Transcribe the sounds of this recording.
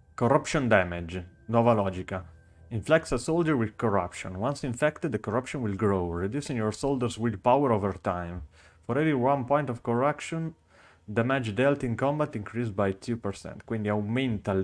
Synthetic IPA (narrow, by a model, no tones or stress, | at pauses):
kɔɾapʃɔ̃nd̪ɛmed͡ʒnɔvalɔd͡ʒika | ĩɱflɛk̚t̪sasold͡ʒəɹwid̪kɔɹapʃɔ̰̃nwãnsĩɱfɛkt̪d̪əkɔɹapʃɔ̃nwilɡɾowɹed̪jusĩnjɔɹsoldəɾswilpawəɾovəɹt̪ãjm | fɔɾɛviwãnpɔ̃jnt̪ɔvkɔɹapʃɔ̃n | d̪ɛmɛd͡ʒd̪ɛlt̪ĩnkɔ̃mbat̪ĩŋkʰɾisbajt̪ʰupɛɾsɛ̰̃nt̪kwĩnd̪iawmɛ̃nt̪al